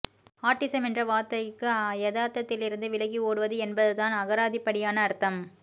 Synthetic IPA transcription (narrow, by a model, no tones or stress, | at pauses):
aːɾʈːɪsɐmɛndrɐʋaːt̪ɐjkːɯjɐðaːɾt̪ːɐt̪ːɪlɪɾɯnd̪ɯʋɪlɐɣioːɽɯʋɐðɯɛnbɐðɯt̪aːnɐɣɐɾaːðipːɐɽɪjaːnɐːɾt̪ːɐm